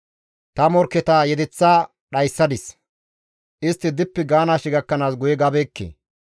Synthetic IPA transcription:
t̪ɐmɔɾkːɛt̪aːjɛd̪ɛt͡sːaː | ɗɐjsːɐd̪ɪs | ʔɪst̪ːɪd̪ɪpːɛɡaːnaːʃɪɡɐkːɐnaːsɡʊjɛɡɐbeːkːḛː

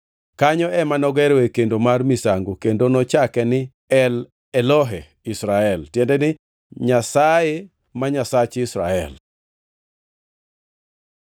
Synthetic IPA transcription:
kaɲɔɛmanɔɡɛɾɔekendomarmisaŋɡokendonɔt͡ʃakɛnɪ | ɛl | ɛlɔɦɛ | isɾaɛltjɛndɛnɪ | ɲasaje | maɲasat͡ʃisɾaɛ̰l

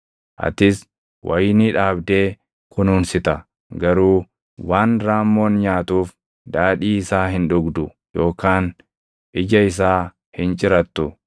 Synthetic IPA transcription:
ʔɐ̰t̪ɪs | wʔɐjniːᶑaːbd̪e̞ː | kʊnuːnsɪt̪ɐ | ɡɐɾuː | waːnɾaːmːo̞ːnɲaːt̪uːf | d̪aːᶑiːɪsaːɦɪnᶑʊɡd̪ʊ | jo̞ːkaːn | ʔɪd͡ʒɐɪs̬aː | hɪnt͡ʃʼɪɾɐt̪ːʊ

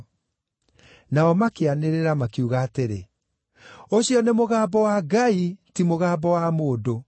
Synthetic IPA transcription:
naɔmakeaneɾeɾamakiuɣaːteɾe | oɕiɔnemoɣaːbɔwaɡaitimoɣaːbɔwamoːdo

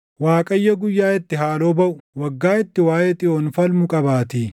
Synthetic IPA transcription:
waːkʼɐjːɐɡʊjːaːɪt̪ːɪɦaːloːbɐʔʊwɐɡːaːɪt̪ːɪwaːʔeːt̪ʼɪʔoːnfɐlmʊkʼɐbaːt̪iː

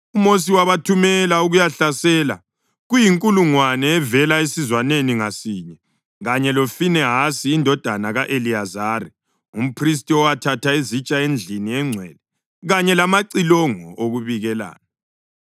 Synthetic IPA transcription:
umos̬iwaβatʰumɛlauɣujaɬasɛːla̰ | ɣujiŋkʼuluŋwanɛːvɛlaesizwaneniŋasiːɲɛ | ɣaɲɛlofinɛɦasiːndʱɔd̥ʱanaɣaʔeliazari | um̩pʰris̬tʼiɔwatʰatʰaezit͡ʃʼaend͡ɮʱiniɛŋ͡ǀʱwɛ̰lɛ | ɣaɲɛlamaǀilɔŋɔ̰ʔoɣuβiɣɛla̰ːna

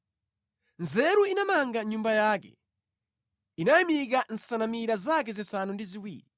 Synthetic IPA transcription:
nzɛɾuinamaŋɡaɲumbajaːkɛ̰ | inajimik̬an̩sanamiɾazakɛzɛsanundiziwḭːɾi

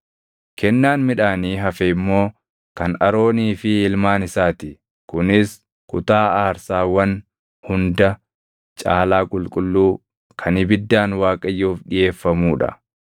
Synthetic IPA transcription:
kʰɛnːaːnmɪᶑaːniːɦɐfɛɪmːo̞ː | kɐnɐɾo̞ːniːfɪɪlmaːnɪsaːt̪ɪ | kʊnɪs | kʊt̪aːaːɾsaːwɐn | hʊnd̪ɐ | t͡ʃʼaːlaːkʼʊlkʼʊlːuː | kʰɐnɪbɪd̪ːaːnwaːkʼɐjːuːfᶑɪje̞ːfːɐmuːᶑɐ̰

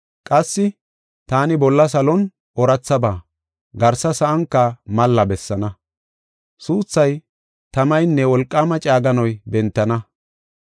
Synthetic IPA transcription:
kʼɐsːɪ | t̪aːnɪbɔlːɐsɐlɔn | ʔɔɾɐt͡sːɐbaː | ɡɐɾsɐsɐʔɐŋkːɐmɐlːɐbɛsːɐnɐ | suːt͡sːɐj | t̪ɐmɐjnːɛwɔlkʼːamɐt͡ʃʼaːɡɐnɔjbɛnt̪ːɐnɐ

